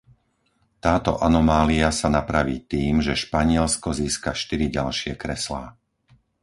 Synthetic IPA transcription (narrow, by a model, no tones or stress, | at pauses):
t̪aːt̪ɔ̰ʔanɔmaːliasanapɾaʋiːt̪iːmʒɛʃpaɲɪɛlskɔziːskaʃt̪iɾiɟalʃɪɛkɾɛsla̰ː